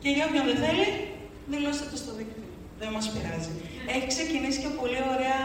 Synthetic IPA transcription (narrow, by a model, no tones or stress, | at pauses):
ceʝɐopçɐnðeθe̞li | ðilost̪ɐt̪est̪oðikt̪i | ðemɐspiɾɐzie̞çikse̞cinisi̥cepo̞lio̞ɾe̞ɐ